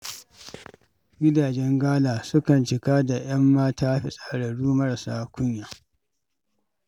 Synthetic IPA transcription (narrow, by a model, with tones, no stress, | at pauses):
ɡʲɪ˦daː˨d͡ʒɛ˦ŋɡaː˦laː˨sʊ˦kɐ˨nt͡ʃɪ˨kaː˦da˨j̰ɐ˦mːaː˦taː˦ɸi˦sʼa˨ɽɐ˨ɽuː˦mɐ˦ɾa˨saː˦kʷʊ˦ɲjaː˨